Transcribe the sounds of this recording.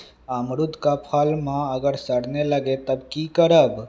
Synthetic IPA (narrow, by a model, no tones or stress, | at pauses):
amɾud̪ʱkapʰalmãəɡəɾsəɽnelaɡet̪əbkikəɾəb